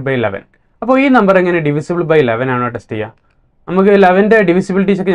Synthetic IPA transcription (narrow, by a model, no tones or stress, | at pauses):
bɐjlɐ̰ʋɐ̰n | ɐpːoːiːnɐmbɐreŋːɐneɖiʋisibɨɭbɐjleʋɐnaːɳoːɐʈːɐsʈijɐ | nɐmuk̬ːɨlɐʋɐnde̞ɖiʋisibiliʈ̬ːit͡ɕːokːe